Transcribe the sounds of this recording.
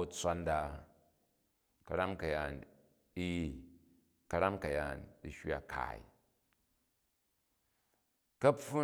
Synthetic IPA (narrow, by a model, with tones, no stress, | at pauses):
u˨t͡sʷa˦nda˨ | kɐ˨ɾa˦mkɐ˨ja˨n | i˦˨ | kɐ˦ɾa˦mkɐ˨ja˨ndi˨ʃʲi˦a̰˨kʰa̰˨ḭ˨ | kɐ˦pu˦